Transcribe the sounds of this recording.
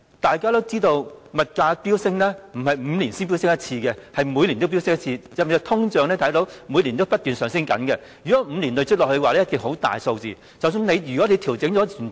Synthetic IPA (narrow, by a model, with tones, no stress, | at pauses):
t̪aː˨jkaː˥t̪o˥wt͡siː˥t̪o˧wmɐ˨t̚kaː˧piː˥wsɪ˥ŋlɛː˥m̩˨˩hɐ˨jm̩ː˨˧liː˨˩nsi˥np̬i˥wsɪ˥ŋjɐ˥t̚t͡sʰiː˧kɛ˧hɐ˨jmu˨˧jli˨nt̪o˥wpi˥wsɪ˥ŋjɐ˥t͡sʰiː˧jɐ˨wjt̪ʰʊ˥ŋt͡ʃœː˨ŋnlɛː˥t̪ʰɐ˨˥jt̪o˨˧wmuː˨˧li˨˩nt̪o˥wpɐ˥t̚t̪yː˨˩nsœː˨ŋsɪ˥nkɐ̰˨˥nkɛ˧ | jyː˨˩kɔ˨˦˥m̩˧li˨˩nlɵ˨˧jt͡ʃʰɵ˥lɔ˨khɵ˧waː˨lɛː˥jɐ˥t̚ki˨˩ŋɦo˨˥t̪a̰ː˨jso˧wt͡siː˨ | t͡sɐ˨˩ws̬yː˧nle˨˧jjyː˨kɔ˨˥le˨˧jt̪ʰi˨˩wt͡sɪ˨˥ŋt͡ʃɔː˨˥t̪yː˨˩n